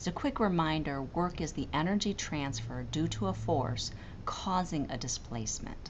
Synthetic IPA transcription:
zɨkʰw̥ɪkɹɨmãɪ̃ndə˞wɜ˞kɨzðiʔɛnə˞d͡ʒitʰɹ̥æ̃nsfə˞dʉɾəəfɔ̰ɹs | kʰɔzɪ̃ŋɨ̰dɨspʰl̥ḛɪsmɨ̰̃nt

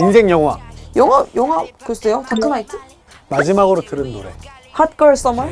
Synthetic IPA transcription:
insʰe̞ŋjʌŋɦwa̰jʌŋɦʌjʌŋɦakɯʌs͈ejot͡ɕak͈ʰɯnaitʰɯ | mad͡ʑimaɡɯɾotɯɾɯnːoɾe̞̰ | hat̚k͈ʌɭs͈ʌmʌ

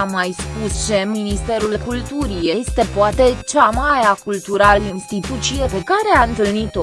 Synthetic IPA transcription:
amːajspust͡ʃe̞minist̪e̞ɾulkult̪uɾijest̪e̞poat̪e̞t͡ʃamaɾeakult̪uɾalinst̪it̪ut̪t͡ʃijepekaɾe̞aɨnt̪ɨlnit̪o

